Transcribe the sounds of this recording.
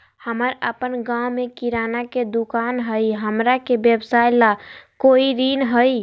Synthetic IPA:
həməɾəpənɡãwmekiɾanaked̪ukanɦəjɦəmɾakebjəbsajlakoiɾinɦəj

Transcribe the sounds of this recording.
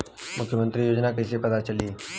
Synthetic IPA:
mʊkʰːjəmə̃nt̪ɾijoːd͡ʒnakɐɪsepɐt̪at͡ʃɐliː

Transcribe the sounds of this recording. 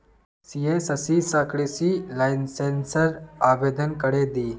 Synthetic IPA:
sieːsəsiːsakɽisilajnseːnsəɾaːʋeːd̪ənkəɽed̪iː

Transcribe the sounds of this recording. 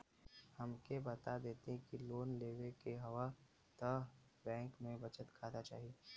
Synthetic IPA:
hɐmkebɐt̪ad̪eːt̪eɦɛ̃kiloːnleːʋekeɦɐʋa | t̪ə | bɛ̃ːŋkmẽbət͡ʃət̪kʰaːt̪at͡ʃa̰ːɦieː

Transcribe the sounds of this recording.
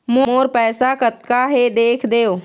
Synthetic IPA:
mõoːɾpɛːsakət̪̚kaɦed̪eːkʰd̪eːoː

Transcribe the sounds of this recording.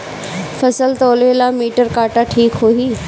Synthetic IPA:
fɐsəlt̪oːlelaːmiːʈəɾkaːʈaʈʰiːkɦoiː

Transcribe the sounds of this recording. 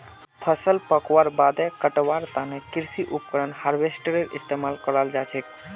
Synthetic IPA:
pʰəsəlpəkʋaɾbad̪ɛkəʈʋaɾt̪anekiɾsiʔupkəɾənhaɾbesʈəɾeɾḭst̪emalkəɾald͡ʒat͡ʃʰɛk

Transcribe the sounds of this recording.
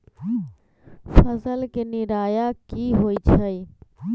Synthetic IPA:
fəzəlkɪniɾaːjaːkiːɦoːiːt͡ʃʰəiː

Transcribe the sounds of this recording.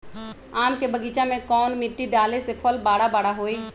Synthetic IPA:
aːmkebəɡiːt͡ʃamẽkɔːnmɪʈːiɖaːlesepʰəlbaːɽabaːɽaɦoːeː

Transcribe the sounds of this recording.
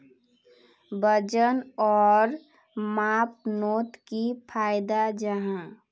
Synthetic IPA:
bəd͡ʒənɔːɾ | maːp̚noːt̪kipʰaːjd̪ad͡ʒəɦã

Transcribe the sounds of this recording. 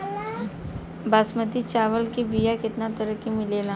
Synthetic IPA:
baːsmət̪it͡ʃaːʋəlkibijakɪt̪nat̪əɾəkimɪleːlã

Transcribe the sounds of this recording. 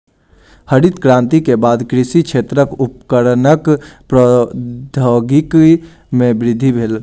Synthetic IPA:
həɽit̪kɾãːnt̪ikebaːd̪kɾɪsikt͡ʃʰet̪ɾəkupkəɾnəkpɾəd̪ʱoɡik | mẽbɾɪd̪ʱːibʱeːl

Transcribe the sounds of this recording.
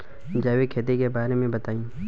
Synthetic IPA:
d͡ʒaːwekʰeːt̪ekebaːɾemẽbɐt̪aːĩː

